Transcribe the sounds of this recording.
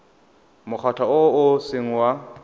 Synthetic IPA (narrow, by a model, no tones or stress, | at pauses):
mʊk͡xʰatʰaʊʊsɪŋ̩wa